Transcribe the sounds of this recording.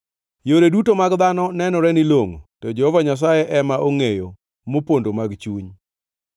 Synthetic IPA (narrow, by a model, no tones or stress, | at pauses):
joɾedutomaɡd̪anɔnɛnɔɾɛnɪloŋtɔd͡ʒɛhɔvaɲas̬ajɛʔɛmaʔoŋejo | mopondomaɡt͡ʃuɲ